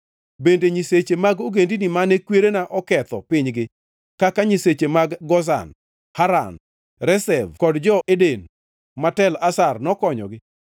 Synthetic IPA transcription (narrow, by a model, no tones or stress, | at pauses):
bendeɲiset͡ʃemaɡoɡendinimanekweɾenaʔɔkɛt̪ɔpɪɲɡɪ | kakaɲiset͡ʃemaɡɡɔz̬a̰n | haɾa̰n | ɾɛsɛvkɔdd͡ʒɔʔeden | matɛlasarnɔkɔɲɔ̰ɡɪ